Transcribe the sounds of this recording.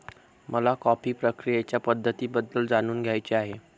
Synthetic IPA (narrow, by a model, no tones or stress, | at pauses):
mʔəlakɔpiːpɾəkɾijet͡ɕjapəd̪ʱːət̪iːbəd̪ːəld͡zañuːnɡʱjajt͡ɕeaɦe